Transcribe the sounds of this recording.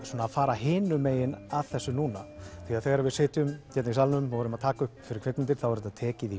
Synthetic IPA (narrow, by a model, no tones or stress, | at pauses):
soːnaːðfaːɾaɦɪːnʏmeːjɪnaðθɛsːʏnuːnaθiaðθɛːɣaɾaɾvɪðseːt̪ʏmcɛt̪naisalnʏmːɔvɔɾʏmaðt̪ʰaːkʏhpfɪɾɪɾkʰvɛk̪nɪnt̪ɪɾ̥θawvɛɾɛt̪aðt̪ʰɛːcɪði